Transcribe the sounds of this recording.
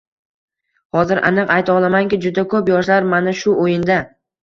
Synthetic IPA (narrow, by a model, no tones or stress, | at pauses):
hɒzɪɾʔa̰nɨqajt̪ʰɒlˠamaŋkʲɪd͡ʒʊd̪akʰɵpjɒʃlaɾmanaʃʊʔojɪnd̪a